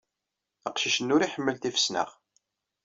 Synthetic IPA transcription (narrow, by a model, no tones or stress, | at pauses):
əqʃiʃənːʊɾiħəmːəlt̪ifə̥snə̰ʁ